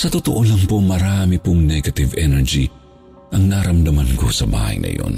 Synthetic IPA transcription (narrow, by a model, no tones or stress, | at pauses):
sɐt̪ot̪oʔolɐŋpomɐɾaːmipʊŋnɛɡɐt̪ɪvɛnɛɹd͡ʒi | ʔɐŋnaɾɐmd̪ɐmɐnko̰sɐba̰ːhɐ̰jnɐ̰jo̰n